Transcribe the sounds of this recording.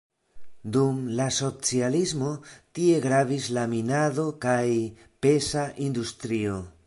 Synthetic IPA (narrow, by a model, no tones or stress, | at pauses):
d̪umlaso̞t͡sializmo̞t̪ie̞ɡɾavislaminaðo̞kaj | pe̞saʔind̪ust̪ɾio̞